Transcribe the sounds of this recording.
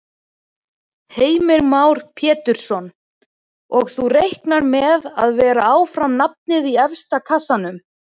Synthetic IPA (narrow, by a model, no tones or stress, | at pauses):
heːjmɪɾmawɾ̥pʰjɛːt̪ʏɾ̥sɔn | ɔɣθurejhknaɾmɛða̰ðvɛːɾaaːwfɾamnap̚nɪðiɛfst̪akʰasanʏm